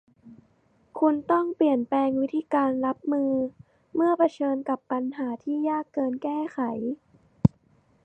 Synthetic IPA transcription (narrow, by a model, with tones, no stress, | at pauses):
kʰu˧nt̪ɔ˥˩ŋpli˨˩ənplɛː˧ŋwi˦˥t̪ʰiː˧kaː˧nɾa˦˥p̚mɯː˧ | mɯ˥˩ɐpa˧t͡ɕʰɤː˧nka˨˩pːa˧nɦaː˩˦t̪ʰiː˥˩jaː˥˩kːɤː˧nkɛː˥˩xʰa˨˩˦j